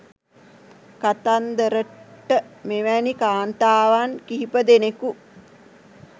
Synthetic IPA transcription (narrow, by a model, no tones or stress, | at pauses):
kat̪and̪əɾəʈːəmeʋænikaːnt̪aːʋankiɦipəd̪eneku